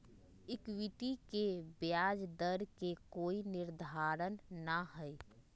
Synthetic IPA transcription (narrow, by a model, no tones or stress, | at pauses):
ɪkwiʈikebjaːd͡ʒd̪əɾkekoːinɪɾd̪ʱaːɾənːaɦɛe